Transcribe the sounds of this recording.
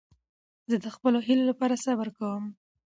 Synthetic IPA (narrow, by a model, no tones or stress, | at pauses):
zəd̪əxpəloɦilolapɑɾasabəɾkawəm